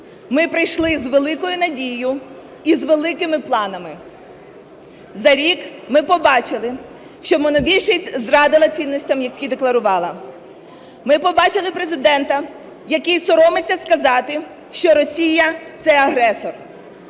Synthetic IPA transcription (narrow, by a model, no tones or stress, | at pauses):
mɪpɾɪjʃlˠɪzʋelˠɪkɔjʊnɐdʲijʊ | izʋelˠɪkɪmɪplˠɑnɐmɪ | zɐɾʲikmɪpɔbɑt͡ʃɪlˠɪ | ʃt͡ʃɔmɔnɔbʲilʲʃɛsʲtʲzrɑd̪ɪlˠɐt͡sʲinːɔsʲtʲɐmjɐkːid̪eklˠɐɾʊʋɑlˠɐ | mɪpɔbɑt͡ʃɪlˠɪpɾezɪd̪ɛnt̪ɐ | jɐkɪjsɔɾɔmɪt͡sʲːɐskɐzɑt̪ɪ | ʃt͡ʃɔɾɔsʲijɐt̪sɛɐɦɾɛsɔr